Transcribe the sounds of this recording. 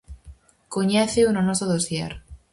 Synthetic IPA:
koɲɛθeunonosoðosjḛɾ

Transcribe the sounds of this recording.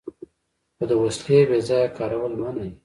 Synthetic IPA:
xod̪əwaskebezɑjakɑɾawəlmanaj

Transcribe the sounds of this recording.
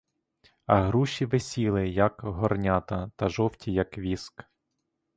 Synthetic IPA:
ɐɦɾuʃʲiʋesʲilˠɪjɐkɦɔrnʲat̪ɐt̪ɐʒɔwtʲʰijɐkʋʲisk

